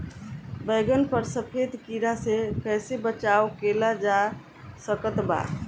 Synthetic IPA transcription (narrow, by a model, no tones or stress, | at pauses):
bəɪɡənpəɾsəpʰed̪kiɾasekəjsebət͡ʃaokelad͡ʒa | səkət̪ba̰